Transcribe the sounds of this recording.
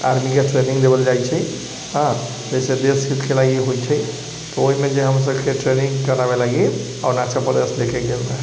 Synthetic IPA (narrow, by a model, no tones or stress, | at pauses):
a̰ɾmikeʈɾenĩŋɡd̪ebəld͡ʒajt͡ʃʰɛ | ɦã | d͡ʒɛsed̪esɦit̪kelaɡiɦojt͡ʃʰɛ | t̪ɔoɦimed͡ʒeɦəms̬əbkeʈɾenĩŋkəɾabelaɡi | a̰uɾnat͡ʃʰapəɾd̪eslekeɡelme